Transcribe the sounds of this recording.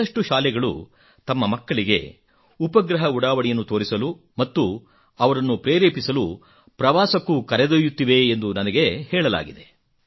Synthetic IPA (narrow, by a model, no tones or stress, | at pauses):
ɐʂʈuʃaːlɛɡɐɭṵ | t̪ɐmːɐmɐkːɐɭiɡe̞̰ | upɐɡɾɐɦɐuɽaːʋɐɽijɐnːut̪o̞ːɾisɐlu | mɐt̪ːu | ɐʋɐɾɐnːupɾeːɾeːpisɐlu | pɾɐʋaːsɐkːukɐɾɛd̪ojut̪ːiʋe̞ːnd̪unɐnɐɡe̞hɛːɭɐla̰ːɡid̪e̞